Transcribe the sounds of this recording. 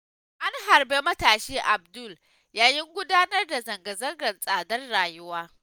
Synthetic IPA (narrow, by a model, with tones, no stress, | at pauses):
ʔa˦ŋɦa˨rbe˦mɐ˦taː˨ʃiː˦ʔa˨bdʊ˦˨l | jaː˨jɪ˦ŋɡʷʊ˦daː˦nɐ˦rda˨zɐ˨ŋɡɐ˨zɐ˦ŋɡɐ˨rsʼaː˨dɐ˦rɽaː˨jʊ˦waː˦